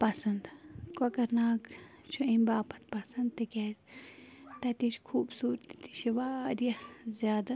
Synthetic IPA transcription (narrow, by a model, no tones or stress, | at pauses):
pɐsɐnd̪kɐkɐɾnaːkt͡ʃʰuimbaːpɐt̪pɐsɐnd̪̚t̪ikʲeːz | t̪ɐt̪iʃkʰuːbsuːɾt̪i̥t̪iʃiʋaːɾjɐzjaːd̪ɐ